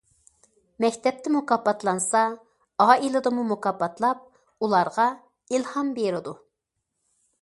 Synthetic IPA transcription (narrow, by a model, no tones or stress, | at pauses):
mɛkʲt̪ʰɛp̚t̪ʰɪmukɑpːɑt̪lˠɑnsɑ | ɑːilˠɨd̪ɨmumukɑpːɑt̪lˠɑp̚ | ulˠɑɾʁɑ | ilˠhɑmbeɾɪd̪u